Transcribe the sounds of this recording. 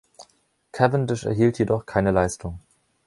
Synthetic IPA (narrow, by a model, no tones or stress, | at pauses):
kʰɛvɪndɪʃɛ̰ɐɦiːltʰjedɔχkʰaɪnəlaɪstʰʊŋ